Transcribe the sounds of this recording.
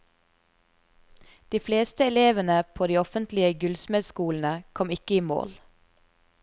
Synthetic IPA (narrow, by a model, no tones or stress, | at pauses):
d̪̥iːfleːst̪əɛleːʋənəpʰoːd̪iːɔfənt̪lɪəɡʉlsmɛːd̪skuːln̩əkʰɔmɪkəiːmo̰ːl